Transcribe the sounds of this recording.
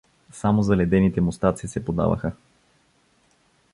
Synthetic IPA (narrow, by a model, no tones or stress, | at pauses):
samozɐlɛd̪ɛnit̪ɛmʊst̪at̪sisɛpod̪a̰və̰xə